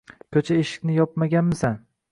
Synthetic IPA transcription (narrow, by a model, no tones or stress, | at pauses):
kʲʰɵt͡ʃʰaeʃɪ̥kʲnɪjɒp̚maɡʲanmɪsan